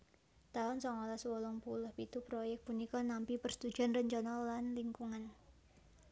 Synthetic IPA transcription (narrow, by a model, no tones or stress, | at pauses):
t̪aʊnsɔŋɔlaswɔlɔŋpulʊhpit̪upɾojɛk̚t̚punikɔnampipərst̪u̥d͡ʒ̥anrəɲt͡ʃɔnɔlanliŋkuŋan